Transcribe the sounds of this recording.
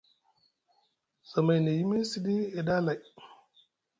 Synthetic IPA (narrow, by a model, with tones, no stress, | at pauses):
sa˨ma˨jne˨ji˦me˦si˦di˦e˨da˦la˨j